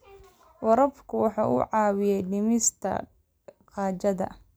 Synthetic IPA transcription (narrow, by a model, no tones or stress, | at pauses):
wɐɾɐbkʰʊwɑħɑ̰ːʔṵːʕɑːwɪjɛjɖɪmɪst̪ʰɐ̰ | qɑːt͡ʃɐðɐ̰